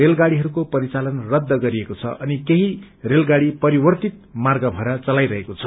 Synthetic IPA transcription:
elɡaɽiɦʌɾukopʌɾit͡salʌnrʌd̪ːʌɡʌɾiekot͡sʰʌ̰ʔʌnikeɦi | relɡaɽipʌɾibʌrt̪it̪̚marɡʌbʱʌɾat͡sʌlajɾʌɦekot͡sʰʌ

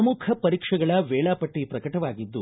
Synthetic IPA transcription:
ɐmukʰɐpɐɾiːkʂɐɡɐɭɐʋɛːɭaːpɐʈːipɾɐkɐʈɐʋaːɡid̪ːu

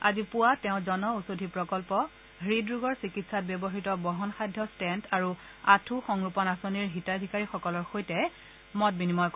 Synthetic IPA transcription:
azipʊwatɛʊ̃zɔnɔusodʱipɹɔkɔlpɔ | ɦɹidɹuɡɔɹsikitsat̚bebɔɦitɔbɔɦɔnxajdʱjɔstɛntaɹu | atʰuxɔŋɹupɔnasoniɹɦitadʱikaɹixɔkɔlɔɹxojtɛ | mɔt̚binimɔjk

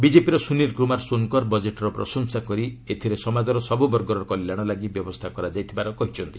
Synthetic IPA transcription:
bid͡ʒepiɾɔsuniɾkɾumaɾsonkɔɾbɔd͡ʒeʈɔɾɔpɾɔ̰sɔŋsakɔɾiet̪ʰiɾesɔmad͡ʒɔɾɔsɔbubɔɾɡɔɾɔkɔlːaɽ̃ɔlaɡibjɔbɔst̪ʰakɔɾad͡ʒajt̪ʰibaɾɔkɔɦit͡ʃʰɔnt̪i

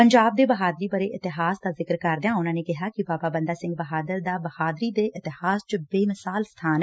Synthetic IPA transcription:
pəɲd͡ʒaːb̚d̪eːbəɦaːd̪ɾiːbəɾeːʔɪt̪ɪɦaːsd̪aːzɪkəɾkəɾd̪ejãːʊnãːneːkɪɦaːkɪbaːpaːbə̃nd̪aːsɪ̃ŋɡ̚bəɦaːd̪əɾd̪aːbəhaːd̪ɾiːd̪eːʔɪt̪ɪɦaːst͡ʃəbeːmɪsaːlst̪ʰaːn

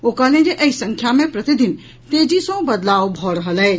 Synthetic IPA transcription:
okalẽd͡ʒeʔəisə̃ŋkʰjamẽpɾət̪id̪in | t̪ed͡ʒisə̃bəd̪lawbʱɔɾəɦəlɛː

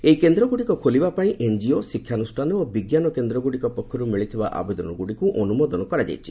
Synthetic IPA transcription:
ejkend̪ɾɔɡuɽikɔkʰolibapaĩʔend͡ʒiosikʰːjanusʈʰanɔobiɡjanɔkend̪ɾɔɡuɽikɔpɔkʰːɔɾumiɭit̪ʰiba̰ʔa̰bed̪ɔnɔɡuɽikuʔɔnumod̪ɔnɔkɔɾad͡ʒa̰jt͡ʃʰi̥

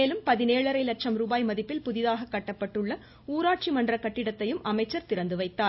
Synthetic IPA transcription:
eːlɯmpɐðɪneːɭɐɾɐɪlɐʈ̚t͡ʃɐmɾuːbaːjmɐðɪpːɪlpʊðɪðaːɣɐkːɐʈːɐpːɐʈːɯɭːɐ | uːɾaːʈ̚t͡ʃimɐndrɐkɐʈːɪɽɐt̪ːɐjɯmɐmɐɪt͡ʃːɐɾt̪ɪɾɐnd̪ɯʋɐɪt̪ːaː

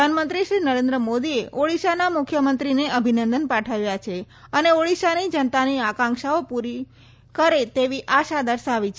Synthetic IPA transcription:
anmənt̪ɾiʃɾinəɾẽnd̪ɾəmod̪ieoɭiʃanamʊkʰːjəmənt̪ɾineʔəbʱinənd̪ənpaʈʰaʋjat͡ʃʰe | əneoɭiʃanid͡ʒənt̪aniakãŋkʃaopuɾi | kəɾet̪eʋiʔaʃad̪əɾʃaʋit͡ʃʰ

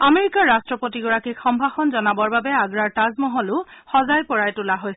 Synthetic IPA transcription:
ameɹikaɹːastɹɔpotiɡɔɹakixɔmbʱaxɔnzɔnabɔɹbabɛaɡɹaɹtazmɔɦɔlʊxɔzajpɔɹajtʊlaɦojs

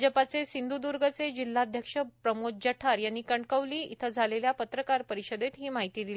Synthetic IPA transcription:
d͡ʑəpat͡sesind̪ud̪uɾɡʱət͡sed͡ʑilːaːd̪ʱjəkʂəpɾəmod͡ʑəʈʰaɾjanːiːkəɳɖkəʋliːḭt̪ʰəd͡zʱaleljapət̪ɾəkaɾpəɾiɕəd̪et̪ɦiːmaɦit̪iːd̪ili

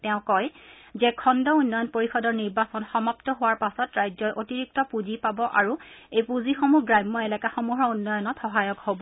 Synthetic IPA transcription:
tɛʊ̃kɔjzɛkʰɔndɔunːɔjɔnpoɹixɔdɔɹniɹbasɔnxɔmaptɔɦʊwaɹpasɔtɹajzɔjʔotiɹik̚tɔpuzipabɔʔaɹuejpuzixomuɡɹajmːɔɛlɛkaxomuɦɹɔunːɔjɔnɔtxɔɦajɔkhobɔ

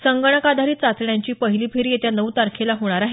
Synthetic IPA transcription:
səŋɡəɳ̃əkad̪ʱaɾiːt͡sat͡sɳjaɲt͡ɕiːpəɦiliːpʰeɾiːjet̪janəwt̪aɾkʰelaɦoɽ̃aɾaɦe

